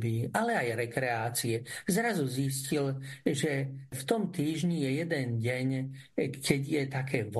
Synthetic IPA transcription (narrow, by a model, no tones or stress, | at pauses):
biːʔalɛajɾɛkɾɛaːt͡siɛzɾazuziscilʒɛft̪ɔmt̪iːʒɲijɛjɛd̪ɛnɟɛɲ | kʰɛɟjɛt̪akʰɛːʋ